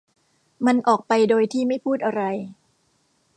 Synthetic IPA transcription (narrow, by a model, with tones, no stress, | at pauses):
ma˧nʔɔː˨˩k̚pa˧jdoː˧jt̪ʰiː˥˩ma˥˩jpʰuː˥˩t̪̚ʔa˧ɾa˧j